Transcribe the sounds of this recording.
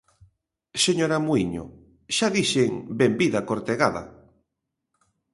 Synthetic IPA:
seɲoɾamuiɲo̰ | ʃaðiʃeŋbembiðakoɾt̪eɣaða̰

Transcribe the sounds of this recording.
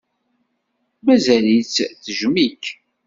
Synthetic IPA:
mæzælit͡sːθəʒmik

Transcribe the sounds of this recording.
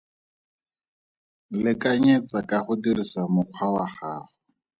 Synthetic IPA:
lɪkʼaɲɛt͡sakʼaχʊdirisamʊq͡χʰwawaχaːχʊ

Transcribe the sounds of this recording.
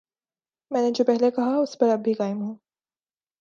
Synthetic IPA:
mɛ̃ːned͡ʒopɛɦlekɐɦaʊspɐɾɐbʱikaːɪmɦõː

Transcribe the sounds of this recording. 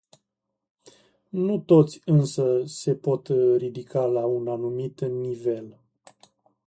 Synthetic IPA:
nut̪o̞t̪sʲɨnsəse̞po̞t̪ɾid̪ikʰalaunanumit̪nive̞l

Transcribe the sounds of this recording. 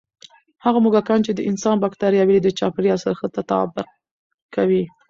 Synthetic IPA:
haɣamuɡakɑnt͡ʃed̪əʔɪnsɑnbakt̪ɑɾjɑwilid̪ət͡ʃɑpɾjɑsəɾxət̪at̪a̰bɪq̚ | kawi

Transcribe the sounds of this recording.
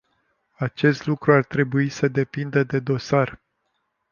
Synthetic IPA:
at͡ʃe̞st̪lukɾuart̪ɾe̞buisəd̪e̞pind̪əd̪e̞d̪o̞sar

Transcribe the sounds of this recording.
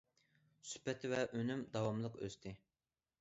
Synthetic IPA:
sy̥pɛt̪ʰːvɛʔønymd̪ɑwɑmlˠəqø̰st̪ʰɪ

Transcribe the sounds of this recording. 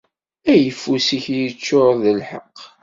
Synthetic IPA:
æjəfːusiçjət͡ʃːoɾˤðəlħəqː

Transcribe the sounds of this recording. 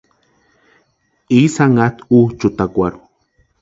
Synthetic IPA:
isaŋat̪ut͡ʃut̪akʷaɾu

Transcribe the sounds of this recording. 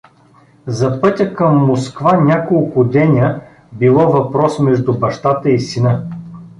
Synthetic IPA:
zɐpɤt̪ʲəkɐmːoskvanʲakolˠkʊd̪ɛnʲə | bilˠɔvɐpɾɔsmɛʒd̪ʊbɐʃt̪at̪əisinə

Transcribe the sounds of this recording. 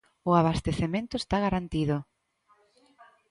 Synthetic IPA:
ʊaβ̞ast̪eθemẽnt̪ʊest̪aɣaɾant̪iðʊ

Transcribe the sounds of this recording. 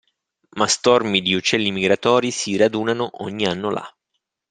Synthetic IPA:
mast̪ɔrmid̪iut͡ʃɛlːimiɡɾat̪ɔːɾisirad̪uːnanoʔo̰ɲːianːola̰

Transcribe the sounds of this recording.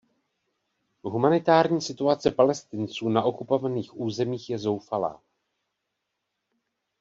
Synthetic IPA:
ɦumanɪt̪aːɾɲiːsɪt̪uat͡sɛpalɛst̪ɪnt͡suːnaʔo̞kupo̞vaniːxʔuːzɛmiːxjɛzo̞wfala̰ː

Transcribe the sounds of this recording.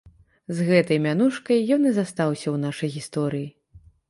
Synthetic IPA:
zɣɛt̪ɐjmʲanuʂkɐjːɔnizast̪awsʲɐwn̪aʂɐjɣʲist̪ɔɾɨji

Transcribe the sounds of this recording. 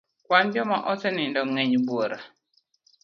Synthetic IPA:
kwand͡ʒɔmaʔɔsɛnɪndɔŋɛɲbwoɾa

